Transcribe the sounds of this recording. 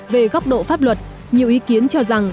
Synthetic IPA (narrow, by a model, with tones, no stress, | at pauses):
ve˨˩ɣɔ˦˥wk͡p̚ɗo̰˧˨faː˦˥p̚lwə˨˩t̚ | ɲi˨˩əwʔi˨˦ki˨˦ənt͡ɕɔ˧za˨˩ŋ